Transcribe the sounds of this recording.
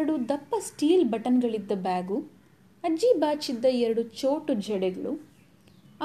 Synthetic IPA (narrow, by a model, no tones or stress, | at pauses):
ɐɽud̪ɐpːɐsʈiːlbɐʈɐnɡɐɭid̪ːɐbaːɡu | ɐd͡ʒibaːt͡ʃid̪ːɐɛɾɐɽut͡ʃoːʈud͡ʒɛɽɛɡɐɭu